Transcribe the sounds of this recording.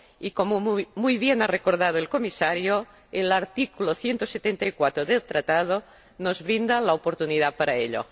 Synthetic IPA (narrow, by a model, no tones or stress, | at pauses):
ikomomujβjenarekoɾð̞að̞oelkomisaɾjo | elaɾt̪ikuloθjent̪oset̪ent̪aikwat̪ɾoðelt̪ɾat̪að̞o | nozβɾind̪alaopoɾt̪uniðapaɾaeʎo̰